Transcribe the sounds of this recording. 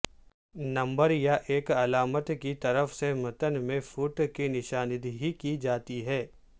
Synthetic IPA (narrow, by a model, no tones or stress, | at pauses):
nɐ̃mbəɾjaʔeːkɐlaːmət̪kit̪ɐɾəfsemɐt̪ənmẽfuːʈkenɪʃaːnɪd̪ɦikid͡ʒaːt̪iɦɛː